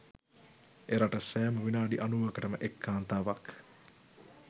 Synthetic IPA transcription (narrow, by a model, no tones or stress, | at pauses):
eɾaʈəsæːməʋinaːɖiʔanuʋəkəʈəməʔekːaːnt̪aːʋak